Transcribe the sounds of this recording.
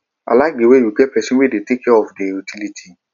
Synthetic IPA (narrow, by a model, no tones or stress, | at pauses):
a̰lak̚diwejuɡɛpɛsɔ̃nwedetekɛɔfdeutʰilitʰi